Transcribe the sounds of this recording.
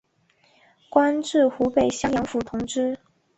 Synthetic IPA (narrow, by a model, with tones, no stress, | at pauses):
kwa˥nʈ͡ʂɻ̩˥˩xu˧˥pe˨˩ɪɕjɑ˥ŋjɑ˧˥ŋfu˨˥t̪ʰʊ˧˥ŋʈ͡ʂɻ̩˥